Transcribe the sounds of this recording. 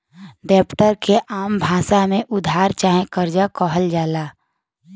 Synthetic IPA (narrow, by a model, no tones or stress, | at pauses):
ɖɛːpʈəɾkeʔaːmbʱaːsamẽʔʊd̪ʱaːɾt͡ʃaːɦẽkəɾd͡ʒakɔɦəld͡ʒaːlaː